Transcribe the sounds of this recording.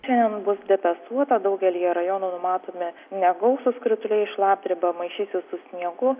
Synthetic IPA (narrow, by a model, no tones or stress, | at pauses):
ʃʲɛnd̪ʲɛnbʊsd̪ʲɛpʲɛst̪uɔt̪ɐd̪ɐʊɡʲɛlʲiːjɛɾɐjoːnuːnʊmɑːt̪oːmʲɪnʲɛɡɐʊsʊskɾʲɪt̪ʊlʲɛɪɪʃlˠɑːp̚ʲd̪ʲɾʲɪbɐmɐɪʃʲiːsʲɪssʊsʲnʲiɛɡʊ